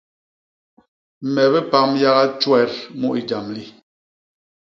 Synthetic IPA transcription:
mɛ˨βɛ˦pa˦mja˦ɣa˦t͡ʃwɛ˦˨˦ɾmu˦ʔi˨d͡ʒa˨mli˦

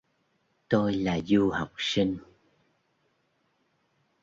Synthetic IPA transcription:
t̪o˧jlaː˨˩zu˧ha˨˩wk͡p̚si˧ŋ̟

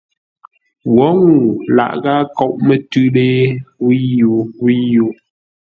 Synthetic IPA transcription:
wɔ˨˦ŋu˨la̰˨ʔɣa˦kɔ˦˨ʔmə˨tʉ˦ɗe˦wi˦ju˨˦wi˦jo˨˦

